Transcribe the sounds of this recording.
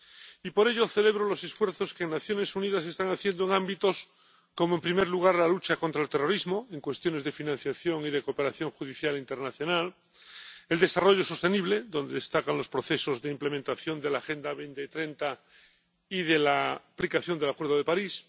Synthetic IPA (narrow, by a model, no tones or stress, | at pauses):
ipo̞ɾe̞ʎo̞θe̞le̞β̞ɾolo̞se̞sfwe̞ɾθo̞skeŋnaθjo̞ne̞suniðase̞st̪aŋaθje̞nd̪oe̞ŋãmbit̪o̞s | ko̞moe̞mpɾime̞ɾluɣ̞aɾlalut͡ʃako̞nt̪ɾaelt̪e̞ro̞ɾizmo̞e̞ŋkwe̞st̪jo̞ne̞zðe̞finãnθjaθjo̞ŋiðe̞kope̞ɾaθjo̞ŋxuðiθjalint̪e̞ɾnaθjo̞nal | e̞ld̪e̞saro̞ʝo̞so̞st̪e̞niβ̞le̞ðo̞nd̪e̞ðest̪akanlo̞spɾo̞θe̞so̞zðeimple̞mẽnt̪aθjo̞nd̪e̞laːxe̞nd̪aβent̪et̪ɾe̞nt̪a | ið̞elaplikaθjo̞nd̪elakwe̞ɾðoðe̞paɾis